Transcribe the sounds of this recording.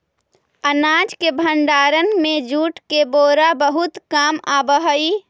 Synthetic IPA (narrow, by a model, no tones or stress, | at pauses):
ənad͡ʒkebʱəɳɖaːɾənmẽd͡ʒuːʈkeboːɾabəɦʊt̪kaːmabəɦəi